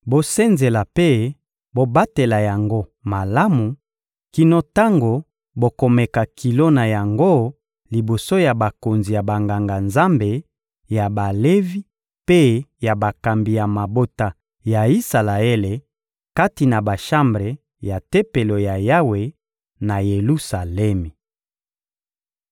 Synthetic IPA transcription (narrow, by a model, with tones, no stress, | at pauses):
bo˦sɛ˦nze˨la˨pe˦ | bo˦ba˦te˨la˨ja˨ŋɡo˦ma˨la˦mu˨ | ki˦no˦ta˦ŋɡo˨ | bo˨ko˨mɛ˨ka˨ki˨lo˦na˨ja˨ŋɡo˦ | li˨bo˨so˦ja˨ba˨ko˨nzi˨ja˨ba˨ŋɡa˨ŋɡa˨nza˦mbe˨ | ja˨ba˨le˦vi˦ | pe˦ja˨ba˨ka˨mbi˨ja˨ma˨bo˦ta˨ | ja˨i˦sa˨la˨e˦le˨ | ka˦ti˨na˨ba˨ʃa˦mbʁe˨ | ja˨te˦pe˨lo˨ja˨ja˦we˨ | na˨je˨lu˦sa˨lɛ˦mi˨